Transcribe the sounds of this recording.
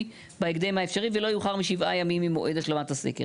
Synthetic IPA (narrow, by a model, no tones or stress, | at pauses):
baeɡd̪emhaefʃaʁivelo̞juχaʁmiʃivʔajamimimoʔedaʃlomat̪asḛkḛ